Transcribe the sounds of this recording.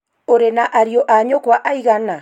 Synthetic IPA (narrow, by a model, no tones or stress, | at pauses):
oɾenaʔaɾiɔʔaɲokwaʔaiɣana